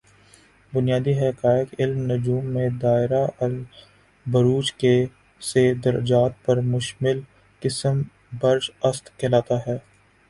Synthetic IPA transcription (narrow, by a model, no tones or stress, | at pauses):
bʊnijaːd̪iɦɛkaːjəkɪlmnʊd͡ʒuːmːẽd̪aːɪɾaʔɐl | bɐɾuːd͡ʒke | sed̪ɐɾə̰d͡ʒaːt̪̚pɐɾmʊʃmɪl | kɪsəm | bɐɾʃɐst̪kʰɛːlaːt̪aɦɛː